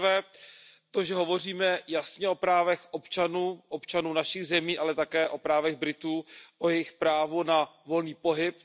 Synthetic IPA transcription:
vɛːt̪oʒɛɦo̞vo̞riːmɛjasɲɛʔo̞pɾaːvɛxʔo̞pt͡ʃanuːʔopt͡ʃanuːnaʃɪɣzɛmiːʔalɛt̪akɛːʔo̞pɾaːvɛɣbɾɪt̪uːʔojɛjɪxpɾaːvonavo̞lniːpo̞ɦɪp̚

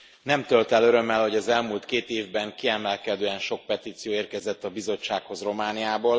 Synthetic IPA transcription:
nɛmt̪ølt̪ɛløɾø̞mːɛlho̞ɟɒzɛlmult̪keːt̪eːvbɛŋkiɛmɛlkɛd̪øːɛnʃo̞k̚pɛt̪iːt̪sijoːeːrkɛzɛt̪ːɒbizo̞t͡ʃːaːkho̞zro̞maːnijaːboːl

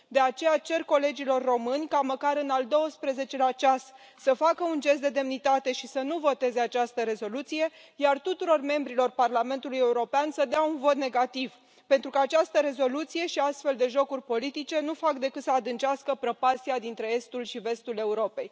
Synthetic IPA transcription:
d̪e̞at͡ʃe̞jat͡ʃe̞rko̞le̞d͡ʒilo̞rːo̞mɨnʲkaməkaɾɨnald̪o̞wəspɾeze̞t͡ʃe̞lat͡ʃas | səfakəund͡ʒe̞s̬t̪d̪e̞d̪e̞mnit̪at̪e̞ʃisənuvo̞t̪e̞ze̞at͡ʃast̪əɾe̞zo̞lut̪sije̞ | jart̪ut̪uɾo̞rme̞mbɾilo̞rparlame̞nt̪uluje̞uɾo̞peansəd̪eaunvo̞t̪̚ne̞ɡat̪iv | pe̞nt̪ɾukaːt͡ʃast̪əɾe̞zo̞lut̪sije̞ʃiast̪fe̞ld̪e̞ʒo̞kurʲpo̞lit̪it͡ʃe̞nufakd̪e̞kɨt̪səad̪ɨnt͡ʃaskəpɾopasiad̪int̪ɾe̞e̞st̪ulʃive̞st̪ule̞uɾo̞pej

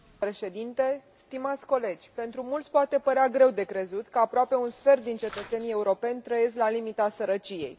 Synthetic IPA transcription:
pɾe̞ʃe̞d̪int̪e̞st̪imat̪sʲko̞le̞d͡ʒʲpe̞nt̪ɾumult̪sʲpoat̪e̞pəɾeaɡɾe̞wd̪e̞kɾe̞zut̪kəapɾoape̞unsfe̞rt̪̚d̪int͡ʃe̞t̪ət̪senije̞uɾo̞pe̞nʲt̪ɾəje̞s̬klalimit̪asəɾət͡ʃije̞̰j

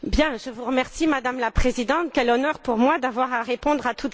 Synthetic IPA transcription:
bjɛ̃ʒəvuʁəmɛʁsimad̪amlapχezid̪ɑ̃t̪̚kʲɛlɔnœʁpuʁmwad̪avwaʁaʁepɔ̃d̪ʁat̪ut̪

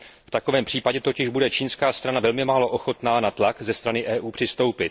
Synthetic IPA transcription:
ft̪akovɛːmpr̥iːpaɟɛt̪o̞cɪʒbudɛt͡ʃiːnskaːst̪ɾanavɛlmɪmaːlo̞ʔo̞xo̞t̪naːnat̪lakzɛst̪ɾanɪʔɛːʔuːpr̥ɪst̪o̞wpɪt̪̚

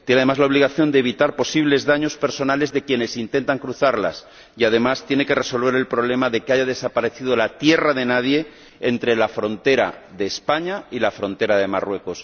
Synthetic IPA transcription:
t̪jeneaðemazlaoβliɣ̞aθjo̞nd̪eβit̪aɾpo̞siβle̞zðaɲo̞spe̞ɾso̞nale̞zðe̞kjene̞sint̪e̞nt̪aŋkɾuθaɾla̰s | iað̞e̞mast̪jene̞ke̞re̞so̞lβ̞e̞ɾe̞lpɾo̞β̞le̞maðe̞keaʝað̞e̞sapaɾe̞θiðo̞lat̪je̞raðe̞nað̞je̞ | ent̪ɾe̞lafɾo̞nt̪e̞ɾa̰ðe̞ːspaɲailafɾo̞nt̪e̞ɾaðe̞ma̰rwe̞ko̞s

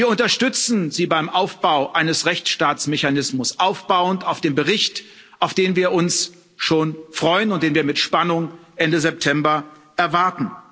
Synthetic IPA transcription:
viːɐʊntɐʃtʏt͡sn̩ziːbaɪmʔaʊfb̥aʊʔaɪnəsʁɛçt͡sʃtaːt͡smeçanɪsmʊsʔaʊfb̥aʊəntaʊfd̥eːnbəʁɪçt | ʔaʊfd̥eːnviːɐʔʊns | ʃoːnfʁ̥ɔʏənʊnt̚d̥eːnviːɐmɪtʃpanʊŋʔɛndəzɛp̚tʰɛmbɐʔɛɐvaɐtn̩

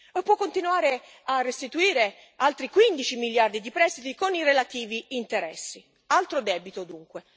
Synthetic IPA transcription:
pːwɔkːont̪inuaːɾe | arːest̪it̪uiːɾe | alt̪ɾikwind̪it͡ʃimiljard̪id̪ipɾɛst̪it̪ikonirelat̪iːviːnt̪eɾɛ̰sːi | alt̪ɾod̪ɛːbit̪od̪uŋkwe

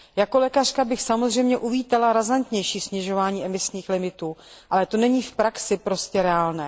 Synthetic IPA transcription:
jako̞lɛːkar̝̥kabɪxsamo̞zr̝ɛjmɲɛʔuviːt̪alaɾazant̪ɲɛjʃiːsɲɛʒo̞vaːɲiːʔɛmɪsɲiːxlɪmɪt̪uːʔalɛt̪o̞nɛɲiːfpɾaksɪpɾo̞scɛɾɛaːlnɛː

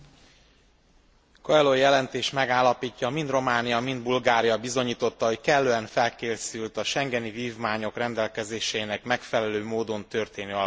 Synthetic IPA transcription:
koɛlojɛlɛnt̪eːʃt̪mɛɡaːlːɒpiːcːɒmind̪ro̞maːnijɒmind̪̚bulɡaːɾijɒbizo̞ɲiːt̪o̞t̪ːɒɦo̞ckɛlːøːɛnfɛlkeːsylt̪ɒʃɛŋɡɛniviːvmaːɲo̞krɛnd̪ɛlkɛzeːʃɛinɛkmɛkfɛlɛløːmoːd̪o̞nt̪ø̞rt̪eːnøːɒ

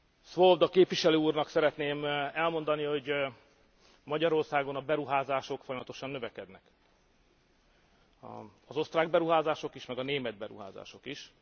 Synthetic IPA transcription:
sʋolvd̪ɒkeːpʋiʃɛløːuːrnɒksɛɾɛt̪neːmɛlmo̞n̪d̪ɒniho̞ɟ | mɒɟɒɾo̞rsaːɡo̞nɒbɛɾuɦaːzaːʃo̞kfojɒmɒt̪o̞ʃɒnːø̞vɛkɛd̪nɛk | ɒzo̞st̪raːɡ̚bɛɾuɦaːzaːʃo̞kiʃmɛɡɒneːmɛd̪̚bɛɾṵɦa̰ːza̰ːʃo̞kiʃ

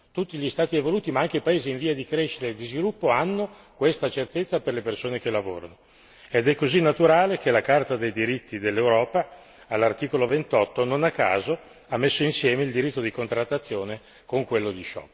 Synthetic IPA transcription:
t̪ut̪ːiʎist̪aːt̪ievoluːt̪imaaŋkeipaeːziːɱviːad̪ikɾeʃit̪eːd̪izvilupːoanːo | kwest̪at͡ʃert̪et̪sːaperlepersoːnek̟elːavo̰ːɾano | ed̪ɛkːozinːat̪uɾaːlek̟elakart̪ad̪ejd̪iɾit̪ːid̪elːewɾɔːpaː | lːart̪iːkolovent̪ɔt̪ːononakːa̰ːzo | amːesːoinsjɛːmeild̪iɾit̪ːod̪ikont̪ɾat̪ːat̪sːjoːne | koŋkwelːod̪it͡ʃɔ̰

